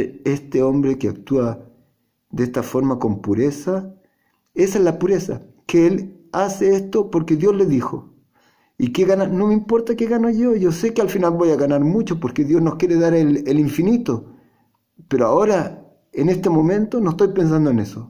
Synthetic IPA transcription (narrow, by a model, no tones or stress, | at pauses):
est̪eo̞mbɾekeak̚t̪ua | ðest̪afo̞ɾmako̞mpuɾesa | e̞saezlapuɾesa̰ | keelaseest̪opoɾkeðjo̞zle̞ðixo | ikeɣanano̞meimpo̞ɾt̪akeɣano̞ʝo̞ʝo̞se̞kealfinalβo̞jaɣanaɾmut͡ʃopoɾke̞ðjo̞znoskʲjeɾeðaɾeleliɱfinit̪o | peɾoaoɾa | ene̞st̪emo̞mẽ̞nt̪onost̪ojpe̞ns̬and̪oene̞so